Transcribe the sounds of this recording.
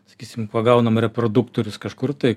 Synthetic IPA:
sɐ̥kʲiːsʲɪmkuɔɡɐʊnɐmɾʲɛpɾoːd̪ʊkt̪oːɾʲʊskɐʃkʊrt̪ɐɪ

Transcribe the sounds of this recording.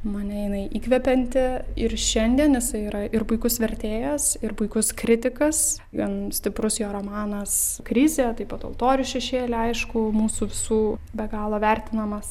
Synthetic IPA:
mɐnʲɛjɪnɐɪʔiːkʋʲɛpʲɛnʲt̪ʲɪɪrʃʲɛnʲd̪ʲiɛnjɪsɐɪiːɾɐʔɪrpʊɪkʊsʋʲɛɾʲt̪ʲeːjɛsɪrpʊɪkʊskɾʲɪt̪ʲɪkɐs | ʋʲiɛnsʲt̪ʲɪpɾʊsjoːɾoːmɑːnɐskɾʲɪzʲeːt̪ɐɪpɐt̪o̰lˠt̪oːɾʲʊʃʲɛʃʲeːlʲɪɐɪʃkʊmuːsuːʋʲɪsuːbʲɛɡɑːlˠoːʋʲɛrʲt̪ʲɪnɐmɐs

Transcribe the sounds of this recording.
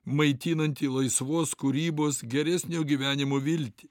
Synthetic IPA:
mɐɪt̪ʲiːnɐnʲt̪ʲiːlˠɐɪsʋoːskʊɾʲiːboːsɡʲɛɾʲæsʲnʲoːɡʲiːʋʲæːnʲɪmoːʋʲɪlʲt̪ʲi̥

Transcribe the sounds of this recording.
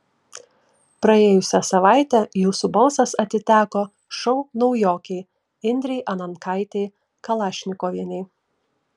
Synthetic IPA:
pɾɐeːjʊsʲɛsɐʋɑˑɪt̪ʲɛjuːsʊboːsɐsɐt̪ʲɪt̪ʲæːkoː | ʃɔʊnɔʊjoːkʲɛɪ | ɪnʲd̪ʲɾʲɛɪʔɐnɐnkɑˑɪt̪ʲɛɪ | kɐlˠɑːʃʲnʲɪkoːʋʲiɛnʲɛɪ

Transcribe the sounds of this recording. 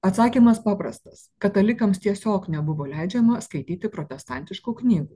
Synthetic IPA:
ɐt̪sɑːkʲiːmɐspɑːpɾɐst̪ɐskɐt̪ɐlʲɪkɐmst̪ʲiɛsʲoːknʲɛbʊʋoːlʲæɪd͡ʒʲɛmɐskɐɪt̪ʲiːt̪ʲɪpɾot̪ʲɛst̪ɑˑnʲt̪ʲɪʃkuːknʲiːɡuː

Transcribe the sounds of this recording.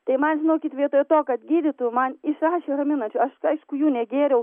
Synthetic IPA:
t̪ɐɪmɐnʒʲɪnoːkʲɪt̪ʋʲiɛt̪oːjɛt̪oːkɐt̪ɡʲiːdʲɪt̪ʊmɐnɪʃɾɑːʃʲeːɾɐmʲɪnɐnʲt͡ʃʲʊɐʃɐɪʃkʊjuːnʲɛɡʲeːɾʲɛʊ

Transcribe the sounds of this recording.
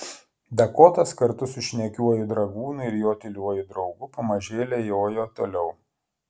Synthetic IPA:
d̪ɐkoːt̪ɐskɐɾt̪ʊsʊʃʲnʲɛkʲuɔjʊd̪ɾɐɡuːnʊɪɾjoːt̪ʲɪlʲuɔjʊd̪ɾɐʊɡʊpɐmɐʒʲeːlʲɛjoːjoːt̪o̰ːlʲɛʊ

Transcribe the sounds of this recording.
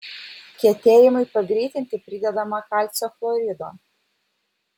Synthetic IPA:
kʲɛt̪ʲeːjɪmɐɪpɐɡɾʲiːt̪ʲɪnʲt̪ʲɪpʲɾʲɪd̪ʲɛd̪ɐmɐkɑlʲt̪sʲoflˠɔɾʲɪd̪o̰

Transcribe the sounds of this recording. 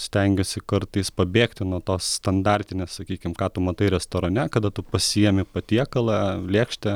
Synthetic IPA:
sʲt̪ʲɛŋʲɡʲʊsʲɪkɐɾt̪ɐɪspɐbʲeːkt̪ʲɪnuɔt̪oːsst̪ɐnd̪ɑːɾʲt̪ʲɪnʲessɐkʲiːkʲɪmkɑːt̪ʊmɐt̪ɐɪɾʲɛst̪oːɾɐnʲɛkɐd̪ɐt̪ʊpɐsʲɪjɛmʲɪpɐt̪ʲiɛkɐlˠɑːlʲeːkʃʲt̪ʲɛ

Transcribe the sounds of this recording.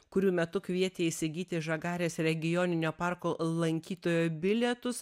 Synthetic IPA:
kʊɾʲuːmʲɛt̪ʊkʋʲiɛt̪ʲeːisʲɪɡʲiːt̪ʲɪʒɐɡɑːɾʲeːsɾʲɛɡʲɪjoːnʲɪnʲoːpɑˑɾkoːlˠɐŋʲkʲiːt̪oːjoːbʲɪlʲɛt̪ʊs

